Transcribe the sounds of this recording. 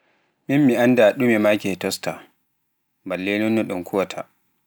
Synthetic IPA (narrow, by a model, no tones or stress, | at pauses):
mimːiʔandaɗumɛmakɛtɔstʰa | balːenɔnːɛɗɔnkʰuwatʰa̰